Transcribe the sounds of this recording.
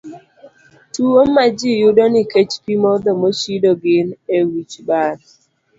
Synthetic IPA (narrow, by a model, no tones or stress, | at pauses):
tuwomːad͡ʒijʊdɔniket͡ʃpimɔd̪ɔmoʃidɔɡɪnewit͡ʃbaɾ